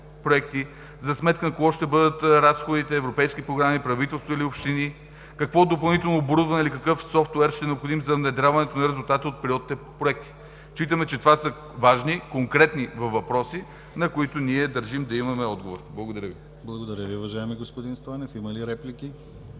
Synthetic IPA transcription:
pɾoɛkt̪i | zɐsmɛt̪̚kənɐkoɡɔʃt̪ɛbɤd̪ət̪ɾasxod̪it̪ɛːvɾopɛjsk̟ipɾoɡɾamipɾɐvit̪ɛlˠst̪vɐiliopʃt̪ini | kɐkvɔd̪opɐlˠnit̪ɛlˠnoːbɾozvɐnɛilikɐkɤfsɔft̪wɛɾʃt̪ɛnɛopxod̪imzɐvnɛd̪ɾʲavɐnɛt̪onɐɾɛzulˠt̪at̪iot̪̚pɛɾʲiɔd̪it̪ɛpɾoɛk̚t̪i̥ | t͡ʃit̪əmɛt͡ʃɛt̪ovasɐ | vaʒnikoŋkɾɛt̪nivɐvːɐpɾɔsi | nɐkʊit̪ʊniɛd̪ɐɾʒimd̪ɐimɐmɛɔd̪̚ɡovoɾblˠɐɡod̪ɐɾʲəvi | blˠɐɡod̪ɐɾʲjəviʊvɐʒaɛmiɡospod̪inst̪ɔɛnɛfimɐliɾɛplikʲi

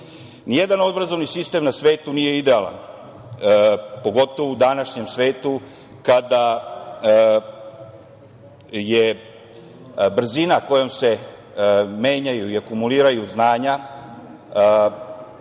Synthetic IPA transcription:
nije̞d̪ano̞d̪bɾazo̞ʋnisist̪e̞mnasʋe̞ːt̪unije̞id̪e̞ala̰n | po̞ɡo̞t̪o̞ʋoud̪anaʃɲe̞msʋe̞ːt̪u | kad̪a | je | br̩zinako̞jomse̞ | meːɲajuiakumuliːɾajuznaːɲa

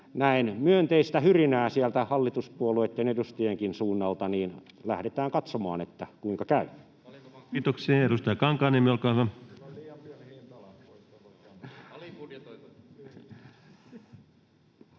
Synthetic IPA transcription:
næinmyønt̪eist̪æhyrinæːsiælt̪æhɑlːit̪uspuoluet̪ːenedust̪ijeŋkinsuːnːɑlt̪ɑniːn | læhɾet̪æːŋkɑt̪somɑ̰ːnet̪ːækuiŋkɑkæy | kiːt̪oksiɑeɾust̪ɑjɑkɑŋkɑːnemiolkɑʋɑ

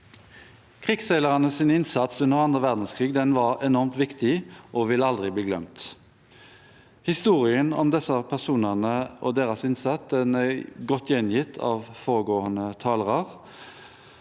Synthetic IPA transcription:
kʰʁiːɡsɛɪləʁɑnəsɪnɪnsɑt̪sʉnəʁɑnd̪ʁəʋæʁd̪n̩skʰʁiːɡd̪ɛnʋɑʁɛnɔʁmt̪ʋɪkt̪ɪʔɔʋɪləɑld̪ʁɪbliːɡlœ̰mt̪ | hɪst̪uːʁɪənɔ̰md̪ɛsəpʰæʁsuːnəʁnəʔɔd̪eːʁəsɪnsɑt̪d̪ɛnæɡɔt̪ʰːjɛnjɪt̪ʰːɑ̰ːʋfoːʁəɡoːənət̪ʰɑːləʁɑʁ

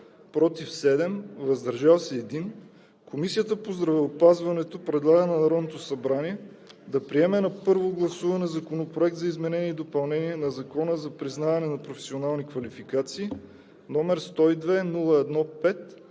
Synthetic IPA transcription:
pɾɔt̪ifsɛd̪ɛmvɐzd̪ɐɾʒalˠsɛɛd̪in | komisiət̪əpozd̪ɾɐvɛopazvɐnɛt̪opɾɛd̪lˠaɡənɐnɐɾɔd̪not̪osɐbɾaniɛ | d̪ɐpɾiɛmɛnɐpɤɾvoɡlˠɐsuvɐnɛzɐkonopɾoɛk̚t̪zɐizmɛnɛniɛːd̪opɐlˠnɛniɛnɐzɐkɔnəzɐpɾiznavɐnɛnɐpɾofɛ̥sionalˠnikvɐlifikat̪siː | nɔmɛɾst̪ɔid̪vɛnulˠəɛd̪nɔpɛt̪

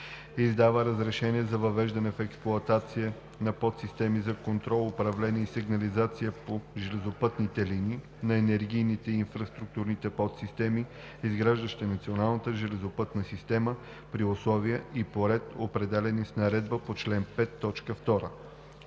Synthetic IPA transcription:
izd̪avəɾəzɾɛʃɛniɛzɐvɐvɛʒd̪ɐnɛfɛksplˠʊɐt̪at̪siə | nɐpɔt̪sist̪ɛmizɐkont̪ɾɔlˠʊpɾɐvlɛniəisiɡnɐlizat̪sijəpoʒɛlɛzopɤt̪nit̪ɛliniː | nɐɛnɛɾɡijnit̪ɛiːnfɾɐst̪ɾuk̚t̪uɾnit̪ɛpɔt̪sist̪ɛmi | izɡɾaʒd̪əʃt̪ɛnɐt̪sionalˠnət̪əʒɛlɛzopɤt̪nəsist̪ɛmə | pɾioslˠɔviəipoɾɛt̪opɾɛd̪ɛlɛnisnɐɾɛd̪̚bəpot͡ʃlɛnpɛt̪ːɔt͡ʃkəft̪ɔɾə̰

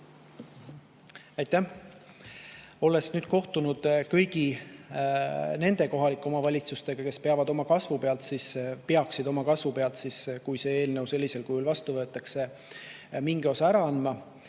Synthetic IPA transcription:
ɑjt̪ːæh | o̞le̞snyːd̪̥ko̞ht̪unud̪̥kɤjɡ̥i | ne̞nd̪e̞ko̞ɦɑlikːˑo̞mɑvɑlʲit̪sust̪e̞ɡ̥ɑke̞speɑvɑd̪o̞mɑkɑsvupe̞ɑlt̪sispeɑksid̪o̞mɑkɑsvupe̞ɑlt̪siskujse̞e̞ːlne̞wse̞lːise̞lkujulvɑst̪uvɤ̞ːt̪ːˑɑkse̞ | miŋɡeo̞sɑæɾɑɑnːmɑ

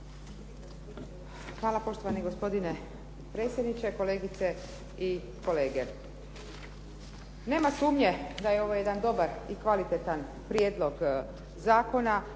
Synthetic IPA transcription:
xʋaːlˠapo̞ʃt̪o̞ʋaniɡo̞spo̞d̪ine̞ | pɾe̞ːt̪sʲje̞d̪nit͡ʃeko̞leːɡit̪se | i | ko̞leːɡe̞ | ne̞ːmasuːmɲe̞d̪ajeo̞ʋoje̞d̪and̪o̞baɾikʋalit̪et̪an | pɾjed̪lˠo̞ɡ | zaːko̞na

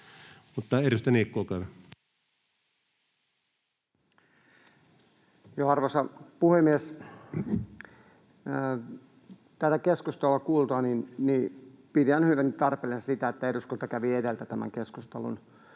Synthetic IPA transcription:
mut̪ːɑeɾust̪æniːkːoːkæˑʋæ | joɑrʋosɑpuhemːies | t̪æt̪ækeskust̪eluɑkuːlt̪oɑninni | pit̪ihænhyʋænytt̪ɑrpelensit̪æet̪ːæeduskult̪ɑkæʋiedelt̪æt̪æmæ̰ŋkeskust̪elṵn

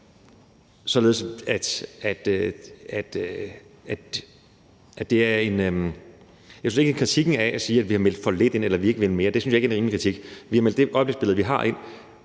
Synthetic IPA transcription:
sɒ̽le̝ːðˠsæd̥æd̥øæd̥ | æ̥ | ʔæd̥e̝æɐe̝nø | jɑɪsynseɡ̥ekʰʁit͡sʰiɡ̥n̩ææsiːæd̥ʋihɑ̈mel̰d̥fɒ̽le̝d̥e̝n̰elɐʋie̝ɡ̥ʋel̩me̝ːɐd̥e̝synsjɑe̝ɡæenʁiːmlikʰʁit͡sʰiɡ̥ʋihɑ̈meld̥e̝ʔɒɪb̥leɡ̥sb̥e̝lð̩ˠʋiɦɑ̈ʔe̝n̰

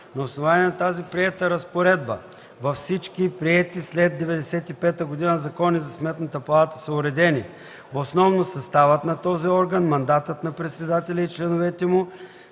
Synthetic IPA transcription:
nɐosnovanʲiɛnɐt̪azipɾiɛt̪əɾɐspoɾɛd̪̚bə̰ | vɐfsit͡ʃkipɾiɛt̪islɛd̪̚d̪ːɛvɛd̪ɛsɛt̪ipɛt̪əɡod̪inəzɐkɔnizɐsmɛt̪nət̪əpɐlˠat̪əsɐʊɾɛd̪ɛni | osnɔvnosɐst̪avɐt̪nɐt̪ɔziɔɾɡənmɐnd̪at̪ət̪nɐpɾɛt̪sɛd̪at̪ɛlʲɐit͡ʃlɛnovɛt̪ɛmʊ

